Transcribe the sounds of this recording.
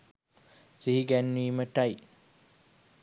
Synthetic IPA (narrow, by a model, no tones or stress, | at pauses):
siɦiɡænːiːməʈaj